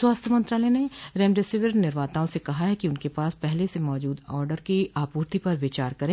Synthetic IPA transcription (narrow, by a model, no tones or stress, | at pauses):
swaːst̪ʰjəmɐ̃nt̪ɾaːlɛneɾɛːmɖɪsɪʋəɾnɪɾʋaːt̪aːõsekɐɦaɦɛkiʊnkepaːspɛɦlesemɔːd͡ʒuːd̪ɔːɾɖəɾkiaːpuːɾt̪ipɐɾʋɪt͡ʃaːɾkɐɾẽː